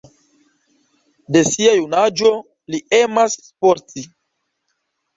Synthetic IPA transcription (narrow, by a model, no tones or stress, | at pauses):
de̞siajunad͡ʒo | liemasːpoɾti